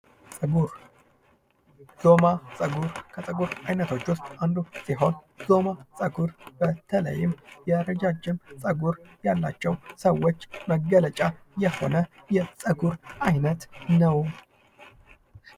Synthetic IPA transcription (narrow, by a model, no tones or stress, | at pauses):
z̥o̞masʼəɡuɾkʰəsʼəɡuɾajnət̪ʰo̞t͡ʃːwʊst̪ʼand̪usiɦo̞n | zo̞masʼəɡuɾb̥ət̪ʰələ̰jːɪmjɛɾəd͡ʒad͡ʒɪmsʼəɡuɾjalːa̰t͡ʃːɛwsəwːo̞t͡ʃːməɡːələt͡ʃʼajɛho̞̰nəjɛsʼəɡuɾʔajnət̪nəw